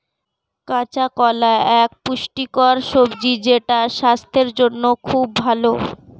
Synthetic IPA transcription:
kãt͡ɕakɔlaɛk̚puʃʈikɔɾʃobd͡ʑid͡ʑeʈaʃast̪ʰeɾd͡ʑonːokʰubːʱalo

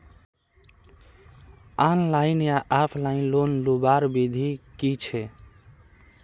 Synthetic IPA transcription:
anlaɪnjaʔapʰlainlonlubaɾbid̪ʱikit͡ʃʰɛ

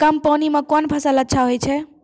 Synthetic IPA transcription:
kəmpəwnimekɔnbʱəsalətːʃʰaɦojt͡ʃʰɛ

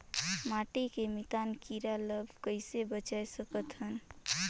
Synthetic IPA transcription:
maʈikemit̪ankiɾaləbʱkəɪsebət͡ʃaesəkət̪ɦən

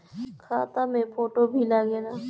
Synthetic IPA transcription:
kʰaːt̪amẽpoːʈobʱilaːɡeːnaː

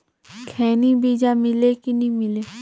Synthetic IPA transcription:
kʰɛːnibiːd͡ʒamɪlekinĩmɪleː

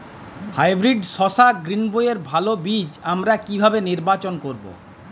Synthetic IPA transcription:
hajbɾiɖʃɔʃaɡɾinbojeɾbʱalobid͡ʑamɾakibʱabeniɾbat͡ɕonkoɾbo̰

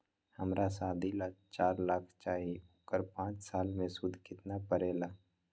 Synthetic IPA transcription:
həmɾʔasaːd̪ʱilat͡ʃaːɾlakʰt͡ʃaːɦiuːkəɾpãːt͡ʃsaːlmẽsʊd̪ʱkɪt̪napəɾeːlaː

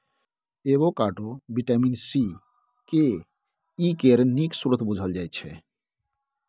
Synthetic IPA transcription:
eβokaʈobiʈaminsi | ke | ikeɾniksuɾot̪bud͡ʑʱald͡ʑajt͡ɕʰḛ

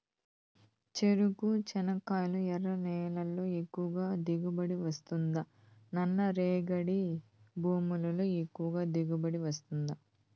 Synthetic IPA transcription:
t͡ʃe̞ɾukut͡ʃɛnɐkaːjluɛɾɐnɛːlɐlːo̞ːekːuʋɐɡaːd̪iɡubɐɽiʋɐst̪und̪ɐ | nɐnːɐɾeːɡɐɽibʱuːmulɐlo̞ːekːuʋɐɡaːd̪eɡubɐɽiʋɐst̪und̪ɐ

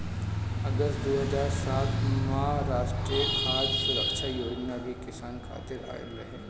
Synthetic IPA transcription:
ɐɡəst̪d̪oːɦɐzaːɾsaːt̪ʰmɐɦaɾaːʃʈɾiaːd͡ʒsʊɾəkʃʰajoːd͡ʒnalikɪsaːnkʰa̰ːt̪ɪɾa̰ːjḛbɾɐɦeː

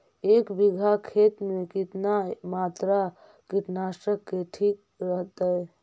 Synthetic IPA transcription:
ekbiɡʱakʰet̪mekit̪namat̪ɾa | kit̪nasəkːeʈʰik | ɾəɦt̪əj

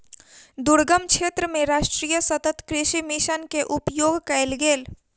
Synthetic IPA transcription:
d̪ʊɾɡəmkʃʰeːt̪ɾəmẽɾaːʃʈɾiːjəsət̪ət̪kɾɪʃimɪʃənkeʔʊpjoːɡkəɪlɡeːl

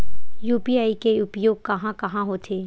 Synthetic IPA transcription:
juːpiaːikeʊpjoːɡ̚kɐɦãkɐɦãɦot̪ʰeː

